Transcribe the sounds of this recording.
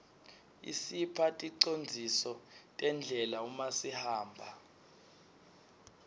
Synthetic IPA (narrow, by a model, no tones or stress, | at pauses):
ḭsipʰatʼiǀond͡zʱisɔtʼɛnd͡ɮʱɛlaumasihaːmbʱa